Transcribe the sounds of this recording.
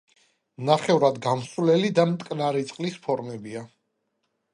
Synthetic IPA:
naχɛvuɾad̪ɡamsvlɛlid̪amt̪ʼkʼnaɾit̪sʼqʼlispʰɔɾmɛbia

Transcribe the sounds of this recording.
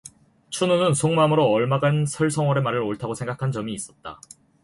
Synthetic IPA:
t͡ɕʰununɯnsʰoŋmamɯɾoʌɭmaɡansʰʌɭsʰʌŋwʌɾe̞maɾɯɾoɭtʰaɡosʰe̞ŋɡakʰand͡ʑʌmiːs͈ʌt̚t͈a̰

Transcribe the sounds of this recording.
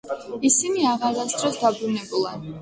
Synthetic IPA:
isiniaʁaɾasd̪ɾɔsd̪abɾunɛbulˠan

